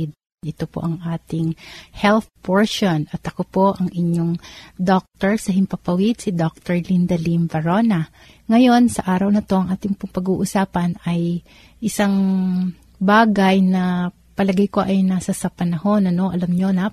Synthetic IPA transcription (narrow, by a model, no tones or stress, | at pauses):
d̪̚ | ʔɪt̪opo̰ʔɐŋʔaːt̪ɪŋhɛlθpʰoɹʃonɐt̪ʔɐko̞po̞ʔɐŋʔɪɲoŋd̪ok̚t̪ɛɹsɐɦɪmpɐpɐwɪd̪̚sɪd̪ok̚t̪ɛɹlind̪ɐlimvɐɹonɐ | ŋɐjo̞nsɐʔaːɾɐwnɐt̪o̞ʔɐŋʔaːt̪ɪŋpʊŋpɐɡuːʔʊsaːpɐnɐj | ʔɪsɐŋ | baːɡɐjnɐ | pɐlɐɡɐjko̞ʔɐjnaːsɐsɐpɐnɐho̞nɐno̞ʔɐlɐmɲo̞na